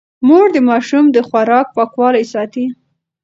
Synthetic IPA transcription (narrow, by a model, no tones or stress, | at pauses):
moɽd̪əmɑʃumd̪əxwaɾɑk̚pɑkwɑlajsɑt̪i